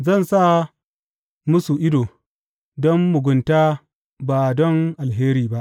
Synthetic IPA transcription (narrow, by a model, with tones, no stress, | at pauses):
zɐ˦˨nsa˦ | mʊ˦su˨ʔɪ˦doː˨ | dɔ˦mːʊ˨ɡʷʊ˨ntaː˦ | ba˨dɔ˦ŋʔa˨lɦeː˦ɾiː˨ba˦ʔ